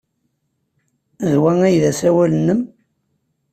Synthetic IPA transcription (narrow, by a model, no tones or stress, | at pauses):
ðwæŋæjðæsæwælənːəm